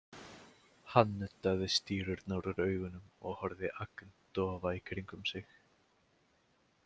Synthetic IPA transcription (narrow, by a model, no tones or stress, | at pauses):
hanːʏt̪ːaðɪst̪iːɾʏɾt̪naːwɾʏɾœːɥɣʏnʏmɔɣhɔɾðɪʔakn̥t̪ɔːvaikʰɾiŋkʏmsɪx